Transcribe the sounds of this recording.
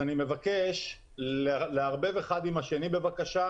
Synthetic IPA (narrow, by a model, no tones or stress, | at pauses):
anime̞vake̞ʃ | leaʁbe̞veːχad̪imaʃe̞nibe̞vakaʃa